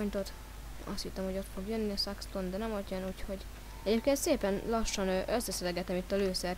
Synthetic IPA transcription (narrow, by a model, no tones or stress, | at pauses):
ɲt̪ot̪ | ɒ̰st̪hit̪ːomho̞ɟo̞t̪fo̞ɡjønːiɒsakst̪ond̪ɛnɛmot̪jɒnuːcho̞ɟ | ɛɟeːp̚keːnt̪seːpɛnlɒʃːɒnøʔøsːɛsɛlɛɡɛt̪ɛmit̪ːɒløːsɛr